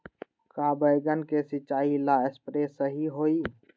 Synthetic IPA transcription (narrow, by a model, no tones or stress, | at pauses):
kaːbəjɡənkesɪt͡ʃaːilaːɪspɾeːsəɦiɦoːiː